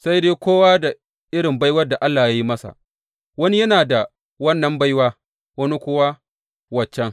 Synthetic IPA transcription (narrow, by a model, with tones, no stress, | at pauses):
sa˦jdeː˦kʷoː˦waː˦da˨ | ʔɪ˦ɽɪ˨mba˦jwɐ˦rda˨ʔa˦lːaː˨jaː˦ji˦mɐ˦sa̰˨ | wɐ˦ni˦jɐ˦naː˨da˨ | wɐ˦nːɐ˨mba˦jwaː˦ | wɐ˦ni˦kʷʊ˦wa˦ | wɐ˨t͡ʃːɛ˦ŋ